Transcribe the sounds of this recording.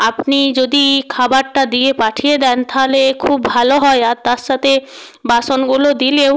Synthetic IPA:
apnid͡ʑod̪ikʰabaɾʈad̪iepaʈʰijed̪ɛnt̪ʰalekʰubːʱaloɦɔeat̪aɾʃat̪ʰe | baʃonɡulod̪ilew

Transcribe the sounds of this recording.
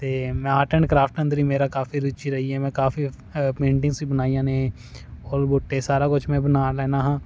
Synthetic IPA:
t̪eːmɛ̃ːaːʈəɳɖkɾaːpʰʈə̃nd̪ɾiːmeːɾaːkaːfiɾʊt͡ʃiːɾəɦiːɦɛːmɛ̃ːkaːfiː | pẽːɳʈɪ̃ŋsiːbənaːijãːnẽː | ɔːɾboːʈːesaːɾaːkʊt͡ʃʰmɛ̃ːbənaːlɛːnaːɦãː

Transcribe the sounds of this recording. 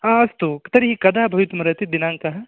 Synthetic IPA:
ãɐst̪ut̪ɐɾiɦikɐd̪ʱaːbʱɐʋit̪mɐɾɐt̪id̪ɪnãːŋkɐɦɐ

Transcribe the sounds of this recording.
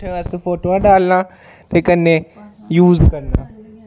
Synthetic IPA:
ʈʰeɐsfoːʈoãɗaːlnã | t̪eːkənẽjuːzkɐɾnãː

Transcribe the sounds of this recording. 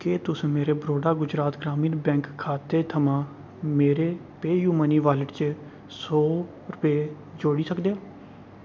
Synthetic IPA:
keːt̪ʊsmeːɾeːbɾoːɖaːɡʊd͡ʒɾaːt̪ɡɾaːmiːnbɛ̃ːŋkʰːaːt̪eːt̪ʰəmãː | meːɾeː | peːjuːməniːʋaːləʈt͡ʃ | sɔː | ɾʊpeː | d͡ʒoːɽiːsəkd̪eaː

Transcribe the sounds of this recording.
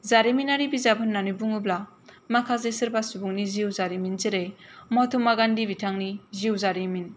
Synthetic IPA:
zaɾiminaɾibizabɯnːanubuŋubla | makʰazejsɯɾbasubuŋniziwzaɾiminzeɾejmɔtʰumaɡandibitʰaŋniziwzaɾimin

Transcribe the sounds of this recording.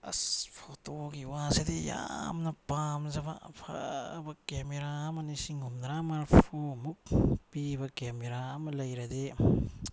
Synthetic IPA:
ɐ̰spʰotoɡiwasedija̰mnɐpamzɐbapʰa̰bɐkemeɾamɐnisiŋhumnɾamaɾpʰomuk̚pibɐkemeɾamɐlɐjɾɐde

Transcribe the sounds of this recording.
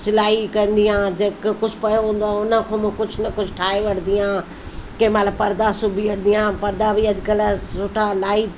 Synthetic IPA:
sɪlaːɦikɐ̃nd̪ijãːd͡ʑekkʊd͡ʑʱpɐjõɦũːn̆d̪oãʊnəkʰõːmɪ̃kʊd͡ʑʱʊnɐkʊd͡ʑʱʈʰaːeʋɐɽ̤ʰnd̪iãː | kɐ̃ĩmat̪ləbpɐɾd̪asʊbʱiʋɐɽ̤̃ʰnijãːpɐɾd̪abʱiɐʄkəlsʊʈʰalaːip

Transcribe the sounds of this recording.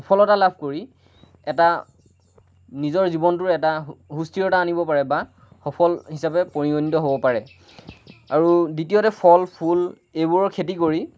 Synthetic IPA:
xɔpʰɔlɔtalabʱkoɹi | ɛta | nizɔɹzibɔntʊɹɛtaɦustiɔtaːnibɔpaɹɛba | xɔpʰɔlɦisapɛpoɹiɡonitɔɦobɔpaɹɛ | aɹuditiotɛpʰɔlpʰul | ejbuɹɔɹkʰetikoɹi

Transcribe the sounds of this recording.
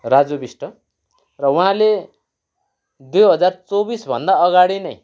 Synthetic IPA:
rad͡zobisʈʌ | rʌwɦãle | d̪ujɦʌd͡zart͡sobisbʱʌ̰nd̪aʌɡaɽinʌj

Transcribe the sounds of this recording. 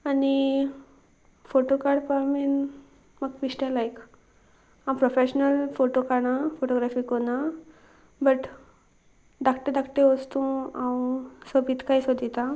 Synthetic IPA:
ani | foʈokaɾɽpamin | məɡfiɕʈẽlajk | ãmpɾɔfeɕnəlfoʈokaɽ̃afoʈoɡɾafiːkona | bəʈ | d̪akʈed̪akʈeʋəst̪ũãwsəbit̪kajsəd̪ʱit̪a

